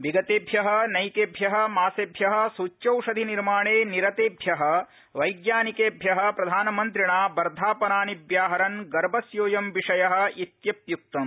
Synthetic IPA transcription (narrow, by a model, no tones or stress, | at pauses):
ʋiɡɐt̪eːbʱjɐɦɐ̆nɐjkeːbʱjɐɦɐ̆maːsebʱjɐɦɐ̆suːt͡ʃːt͡ʃɐwʂɐd̪ʱiniɾmaːɳeːniɾɐt̪eːbʱjɐɦɐ̆ | ʋɐjɡjaːnikeːbʱjɐɦɐ̆pɾɐd̪ʱaːnɐmɐnt̪̬ɾiɳaːbɐɾd̪ʱaːpɐnaːnibʱjaːɦɐɾɐnɡɐɾbʱɐsjoːjɐmʋiʂɐjɐɦɐ̆it̪jɐpjuk̚t̪ɐm